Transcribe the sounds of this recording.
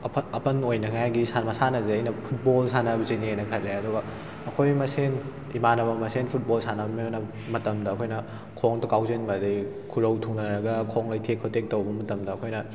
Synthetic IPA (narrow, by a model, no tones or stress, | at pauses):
ɐpɐnojnɐkʰjajɡisanmɐsanɐzeɐjnɐpʰut̚bolsanɐbzeniejnɐkʰɐleɐduɡɐ | ɐkʰojmɐsen | imanɐbɐmɐsenpʰut̚bolsanɐbminɐ | mɐtɐmdɐːkʰojnɐ | kʰoŋtɐkawzenbadɐj | kʰuɾɐwtʰuŋnɐɾɐɡɐkʰoŋlɐjtʰekʰːotʰek̚tɐwbɐmɐtɐmdɐːkʰojnɐ